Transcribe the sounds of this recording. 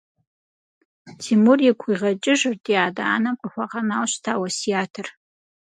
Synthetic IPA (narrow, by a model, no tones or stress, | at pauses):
tʰimurjakʷʰiʁat͡ʃʼɪʒɨrtʰʼjaːdaanamqʷʼaħʷaqʼanalʃʷtʰawasiatʰɨr